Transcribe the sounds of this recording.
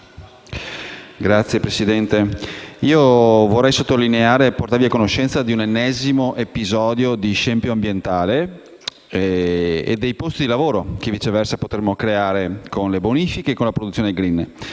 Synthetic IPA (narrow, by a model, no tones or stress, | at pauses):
ɡɾat̪sːjepɾesid̪ɛnt̪eiːovorːɛjsot̪ːolineaːɾeport̪aviakonoʃːɛnt̪sad̪iunenːɛzimoʔepizɔːd̪jod̪iʃɛmpjoambjent̪aːle | ḛd̪ːejpost̪id̪ilavoːɾok̟evit͡ʃevɛrsapot̪ɾemːokɾeaːɾekʰonleboniːfikeːkːonlapɾod̪ut̪ːjoneɡɾinː